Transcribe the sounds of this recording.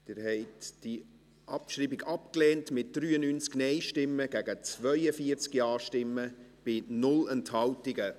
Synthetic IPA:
d̥ɪːɾhɛɪtd̥i | ʔɑpʃriːbɪɡɑpklɛːntmɪt̚d̥ɾyːənynt͡sknɛɪʃtɪmːəɡæɡət͡svœʏəfiəɾt͡skjɑːʃtɪmːəb̥ɪnʊlɛnthɑwtɪɡə

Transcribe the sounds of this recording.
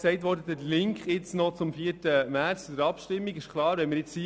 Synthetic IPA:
sɛɪtʋɔɾdət̪ətlɪŋkχɪt͡snɔt͡sʊmfiːətəmæɾt͡sfd̪əɾɑpʃtɪmːiɡɪʃkʰlˠɑːɾʋɛnmɪɾjɪt͡si

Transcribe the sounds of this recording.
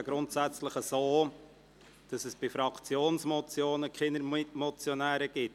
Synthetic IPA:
ɡ̥ɾʊntsæt͡sləχəzoː | d̥ɑsɛsb̥ifɾɑkt͡sjoːnsmɔt͡sjoːnəkχɪnəɾmɔt͡sjɔnæːɾəɡ̥ɪt

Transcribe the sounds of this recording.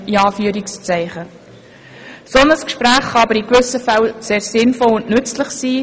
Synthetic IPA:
iɑːfyəɾikst͡sæɪχə | sɔnəskʃpɾæːχχɑɑbəɾikʋʏsəfælseːɾsɪnfɔlʊndnʏt͡sləχsiː

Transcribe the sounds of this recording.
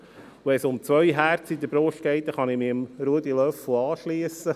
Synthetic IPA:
wɛsʊmt͡sʋœjɦæɾt͡sid̪əb̥ɾoʃt̚ɡ̥ɛɪt̚ːəχɑnɪmiəmɾuəd̪ilœfl̩ɑːʃliəsə

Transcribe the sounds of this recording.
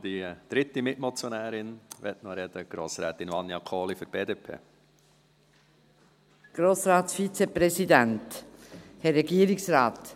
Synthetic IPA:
d̥id̪̥ɾɪt̪ːimɪtmɔt͡sjonæːɾɪnvɛt̪nɔɾɛd̪̥əɡ̥ɾoːsɾɛːt̪ɪnvɑnːjɑkʰoːliføɾb̥eːdepʰḛː | ɡ̥ɾoːsɾaːtsfit͡sepɾɛsid̪ænt | hɛɾɛɡiːɾɪksɾaːt̪

